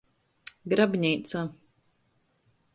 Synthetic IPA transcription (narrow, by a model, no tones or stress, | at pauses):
ɡɾabʲɲɛjt̪sa